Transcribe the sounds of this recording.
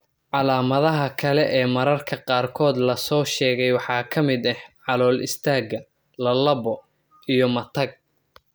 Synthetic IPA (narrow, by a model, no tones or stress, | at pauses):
ʕɑlaːmɐðɐɦɐkʰɐlɛʔɛːmɐɾɐrkʰɐqɑːrkʰɔːd̪lɐsɔːʃɛːɣɛjwɑħɑːkʰɐmɪd̪ɛhʕɑlɔːlɪ̰st̪ʰaːɡɐ | lɐlɐbɔ | ijɔmɐt̪ʰɐɡ̚